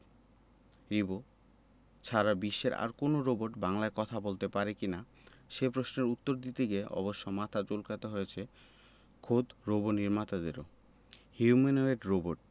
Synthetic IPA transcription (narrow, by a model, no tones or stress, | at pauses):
ɾibo | t͡ɕʰaɾabiʃːeɾa̰ɾkonoɾoboʈbaŋlaekɔt̪ʰabolt̪epaɾekina | ʃepɾosneɾut̪ːoɾd̪it̪ikeɔ̰boʃːomat̪ʰad͡ʑolkat̪eɦojet͡ɕʰe | kʰod̪ɾoboniɾmat̪ad̪eɾo̰ | hjumenoeʈɾoboʈ̚